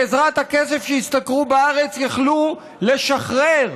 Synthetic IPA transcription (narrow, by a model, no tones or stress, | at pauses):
ezʁat̪hakese̞fʃeist̪akʁubaaʁe̞t͡sjaχlu | le̞ʃaχʁeʁ